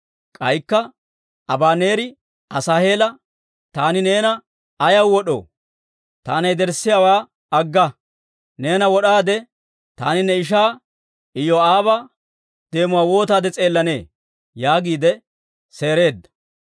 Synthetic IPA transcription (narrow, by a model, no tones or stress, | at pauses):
kʼɐjkːɐ | ɐbaːne̞ːɾɪ | ɐsaːhe̞ːlɐ | t̪aːnɪne̞ːnɐ | ɐjɐwːɔɗo̰ː | t̪a̰ːnɐjd̪ɛɾsːɪjawaː | ɐɡːɐ | ne̞ːnɐwɔɗaːd̪ɛ | t̪aːnɪnːɛɪʃ̬aː | ʔɪjɔaːβa | d̪e̞ːmʊwaːwo̞ːt̪aːd̪ɛt͡sʼe̞ːlːɐne̞ː | jaːɡiːd̪ɛ | se̞ːɾe̞ːd̪ːɐ̥